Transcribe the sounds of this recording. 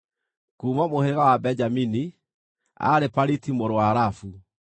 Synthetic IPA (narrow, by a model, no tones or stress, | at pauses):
kuːmamoheɾeɣawabɛd͡ʒamini | a̰ɾepaɾitimoɾoaɾafu